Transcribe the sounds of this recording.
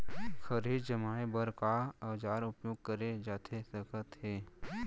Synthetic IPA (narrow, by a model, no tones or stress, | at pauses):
xəɾiːd͡ʒd͡ʒəmaːebəɾkaɐʋd͡ʒaːɾʊpjoːɡ̚kəɾed͡ʒaːt̪ʰesəkət̪ɦeː